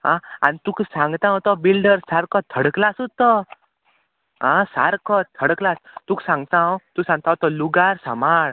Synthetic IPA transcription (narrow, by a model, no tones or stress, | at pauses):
ɦãa̰nit̪ũksãŋɡt̪ãɦɔ̃t̪ɔbilɖəɾsaɾkɔt̪ʰːəɽklasut̪ɔ | ɦãsa̰ɾkɔt̪̚t̪ʰːəɽklast̪ũːksãŋɡt̪ãt̪usãŋɡ̚t̪ãt̪ɔluɡaɾsəmaɭ